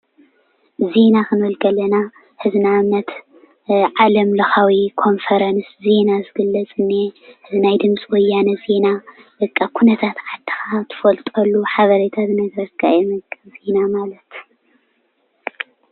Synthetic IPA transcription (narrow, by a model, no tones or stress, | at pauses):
ze̞nakɨnɔlɡɐlɐna | hɨznamːɐt̪ | ʕalɐmlɐxawikʰo̞nfɐɾɐnsze̞nazɨɡɨlːɐt͡sʼɨnːehɨznajd̪ɨmt͡sʼiwɔjːanɐze̞naʔɨkʼːakʰunɐt̪ʰat̪ʕad̪ʰi̥xat̪ʰɨ̥fɐlt̪ʼɐlːuħaβɐɾet̪ʰazɨnɐɡɾɐkʰajɛmɨkʼɨzenamalɐt̪